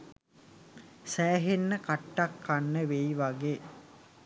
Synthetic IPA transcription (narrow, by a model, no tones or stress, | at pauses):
sæːɦenːəkaʈːakːanːəʋejʋaɡeː